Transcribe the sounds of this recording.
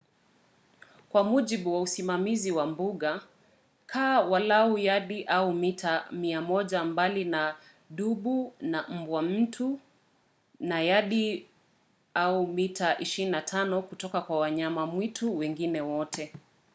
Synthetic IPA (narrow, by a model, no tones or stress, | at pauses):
kwamuʄiɓuwausimamiziwambuɠa | kʰaːwalaujaɗiʔaumitʰamiamɔʄambalina | ɗuɓunam̩bwam̩tʰu | najaɗi | aumitaʔiʃiininatʰanɔkutɔkakwawaɲamamwitʰuwɛŋɡinɛwɔtʰɛ